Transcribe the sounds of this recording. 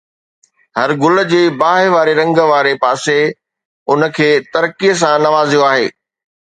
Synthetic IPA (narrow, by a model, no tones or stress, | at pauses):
hɐɾɡʊlə̆d͡ʑeːbaːɦɪʋaːɾeɾɐ̃ŋɡəʋaːɾepaːse | ʊnə̆kʰeːt̪ɐɾkiəs̬ãnɐʋaːzijoaːɦeː